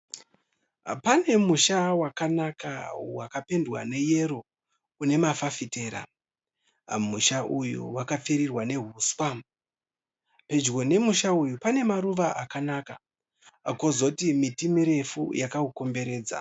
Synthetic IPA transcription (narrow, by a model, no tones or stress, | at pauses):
pane̞muʃawakanaka̰wakape̞ndwa̰ne̞je̞ɾo | une̞mafafite̞ːɾa̰ | muʃaʔujṵwakap͡feɾirwane̞ɦuːswa | pe̞d͡ʒɡo̞ne̞muʃaujupane̞maɾuʋaʔakanaka | ko̞zotimitimiɾe̞fujakauko̞mbe̞ɾe̞ːd͡za̰